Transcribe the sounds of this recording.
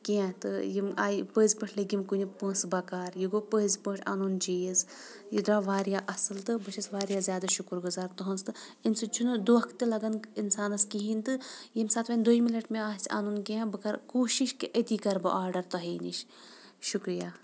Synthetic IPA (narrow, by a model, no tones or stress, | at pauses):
kiãt̪ɨ̰jimaːjpəzʲpəʈʰliɡimkunʲipə̃ːsbɐkaːɾjiɡopəizpəːʈʰa̰ːnunt͡ʃiːjz | jid̪ɾaːʋaːɾijaːʔɐsɨlt̪ɨbɨʃʰɐsʋaːɾjaːzʲjaːd̪aʃukɾɡuzaːɾt̪ɐɦɐnst̪ɨinsɨt͡ʃʰunɨd̪uʋɐkʰt̪ɨlɐɡɐninsaːnɐskiɦint̪ɨjimsaːt̪ʰʋɐnʲd̪oimilɐʈmeaːsʲʰa̰ːnunkiãbɨkɐɾkuːʃiʃkeʔət̪iːkɐɾbɐ̰ʔaːɾɖɐɾt̪ɐɦiːnʲiʃʃukɾijaː